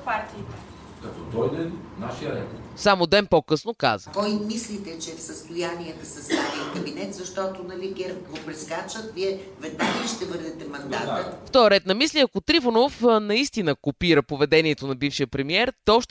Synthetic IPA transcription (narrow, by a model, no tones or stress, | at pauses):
paɾt̪iːt̪ɛ | kɐt̪ɔt̪ɔjd̪ɛnnaʃijəɾɛt̪samod̪ɛnpokɤsnoka̰zəkɔjmislit̪ɛt͡ʃɛfsəst̪ʊjaniɛd̪ɐsɛst̪aniokɐbinɛt̪zɐʃt̪ɔt̪onɐliɡɛɾp̚ɡopɾiskat͡ʃət̪viɛvɛd̪̚naɡəiʃt̪ɛvɤɾd̪ɛt̪ɛmɐnd̪a̰t̪əft̪ɔjəɾɛt̪̚nɐmislʲiɐkot̪ɾifonofnɐist̪inəkopiɾəpovɛd̪ɛniɛt̪onɐbifʃijəpɾɛmiɛɾt̪ɛɔʃt̪